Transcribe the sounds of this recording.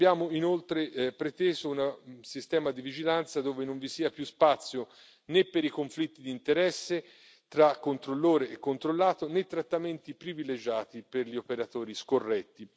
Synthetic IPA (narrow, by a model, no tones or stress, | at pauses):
abjaːmoinolt̪ɾepɾet̪eːzounasist̪ɛːmad̪ivid͡ʒilant̪sad̪oːvenoɱvisiːapjuspat̪sːjo | nepːeɾikoɱflit̪ːid̪iːnt̪eɾɛsːe | t̪ɾakːont̪ɾolːoːɾeːkːont̪ɾolːaːt̪onet̪ːɾat̪ːament̪ipɾiviled͡ʒaːt̪iperʎiopeɾat̪oːɾiskorːɛt̪ːi